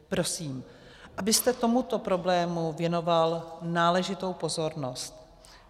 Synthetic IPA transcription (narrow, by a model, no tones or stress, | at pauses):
pɾo̞siːm | ʔabɪst̪ɛt̪o̞mut̪o̞pɾo̞blɛːmuvjɛno̞valnaːlɛʒɪt̪o̞wpo̞zo̞ɾno̞st̪